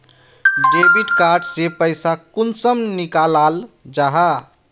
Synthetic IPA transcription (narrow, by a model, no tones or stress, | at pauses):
ɖebiʈkaɾɖsepəɪsakunsəmnikalald͡ʒaɦa